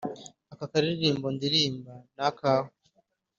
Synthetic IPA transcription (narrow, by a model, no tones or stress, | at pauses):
akakaɾiɾiɾiːmbondiɾiːmbanakaːho